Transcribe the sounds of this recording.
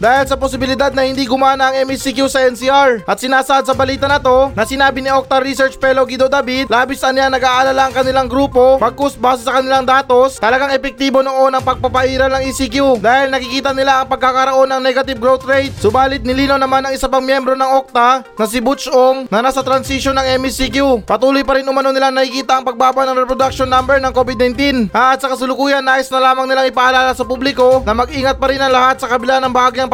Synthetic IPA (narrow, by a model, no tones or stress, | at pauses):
d̪aːhɪlsɐposɪbɪlɪd̪ad̪̚nɐhɪnd̪iɡʊmaːnɐʔɐŋɛmisikjusɐʔɛnsiʔaɹʔɐt̪̚sɪnaːsɐʔad̪̚sɐbɐliːt̪ɐnɐt̪o̞nɐsɪnaːbɪniʔok̚t̪ɐɾisɛɹt͡ʃpɛloɡid̪od̪abid̪laːbɪsɐnɪaŋnɐɡaːʔɐlaːlaɐŋkɐnɪlaŋɡɾuːpo̞bɐɡ̚kʊsbaːsɛsɐkɐnɪlaŋd̪aːt̪o̞st̪ɐlɐɡaŋɛpɛk̚t̪iːbo̞no̞ʔo̞nɐŋpɐɡ̚pɐpɐʔiːɾɐlnɐŋisikjud̪aːhɪlnɐkikiːt̪ɐnɪlaʔɐŋpɐɡ̚kakɐɾɐʔo̞nɐŋnɛɡɐt̪ɪb̚ɡɾowt̪ɾejt̪̚sʊbaːlɪt̪̚nɪliːnawnɐmanɐŋɪsapaŋmjɛmbɾo̞nɐŋʔok̚t̪anɐsɪbut͡ʃoŋnɐnasɐt̪ɾɐnsiʃonːɐŋɛmisikjupɐt̪uːlojpɐɾɪnʊmɐnonɪlaŋnɐkikiːt̪aʔːŋpɐɡ̚baːbaʔnɐŋɾɛpɾod̪ak̚ʃonːambɛɹnɐŋko̞bɪd̪̚nɐjnt̪inaɐt̪̚sɐkɐsʊlʊkuːjɐnːaːʔɪsnɐlaːmɐŋnɪlaŋɪpaʔɐlaːlasɐpublɪko̞nɐmɐɡʔiːŋɐt̪̚pɐɾɪnɐŋlɐhat̪̚sɐkɐbɪlanɐŋbɐaːɡijɐŋ